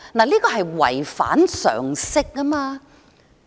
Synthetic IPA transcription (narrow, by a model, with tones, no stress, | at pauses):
naː˨˩liː˥kɔː˧ɦɐ˨jwɐ̰˨˩jfa̰ː˨˥nsœ̰ː˨˩ŋsɪ˥k̚ːɐ˥maː˧